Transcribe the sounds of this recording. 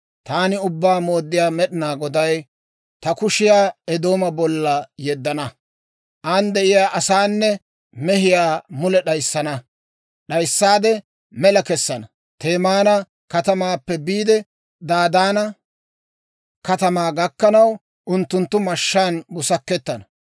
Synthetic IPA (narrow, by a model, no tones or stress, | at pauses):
t̪aːnɪʊbːaːmo̞ːd̪ːɪjaːmɛɗɪnaːɡɔd̪ɐj | t̪ɐkʊʃɪjaːɛd̪o̞ːmɐbɔlːɐjɛd̪ːɐnɐ | ʔaːnd̪ɛʔɪjaːʔɐsaːnːɛ | mɛhɪjaːmʊlɛɗɐjsːɐnɐ | ɗɐjsːaːd̪ɛ | mɛlɐkɛsːɐnɐ | t̪eːmaːnɐ | kɐt̪ɐmaːpːɛbiːd̪ɛ | d̪aːd̪aːnɐ | kɐt̪ɐmaːɡɐkːɐnɐw | ʔʊnt̪ːʊnt̪ːʊmɐʃːaːnbʊsɐkːɛt̪ːɐnɐ